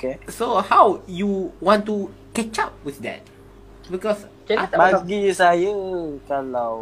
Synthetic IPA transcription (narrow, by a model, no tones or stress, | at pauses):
okesohawjuwɔ̃ntukɛt͡ʃap̚wiθdɛ̰t̚ | bikɔs | baɡisajəkalaw